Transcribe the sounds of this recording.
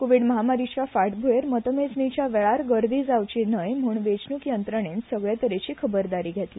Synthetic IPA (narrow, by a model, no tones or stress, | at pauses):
koʋiɖməɦamaɾit͡ɕafaʈbʱueɾmət̪əmed͡znit͡ɕjaʋeɭaɾɡəɾd̪iːd͡zawt͡ɕinəjm̤uːɳʋet͡ɕnukjənt̪ɾəɳensəɡɭjat̪əɾet͡ɕiːkʰəbəɾd̪aɾiːɡʱet̪le